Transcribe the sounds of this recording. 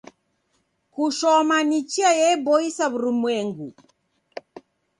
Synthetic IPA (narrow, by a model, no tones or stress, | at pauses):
kuʃɔmanit͡ʃiajɛbɔisaβuɾimwɛŋɡu